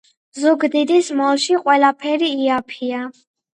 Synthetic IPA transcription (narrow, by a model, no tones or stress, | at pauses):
zuɡd̪id̪ismɔlˠʃiqʼwɛlapʰɛɾiːapʰia